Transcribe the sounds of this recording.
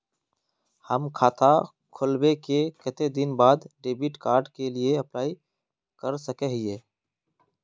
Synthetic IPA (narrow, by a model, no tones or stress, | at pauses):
həmkʰaːt̪ʰa | kʰʊlwekekət̪ed̪ɪnbaːd̪ɖeːbɪʈkaːɾɖkelieɐplaːi | kəɾsəkeɦɪeː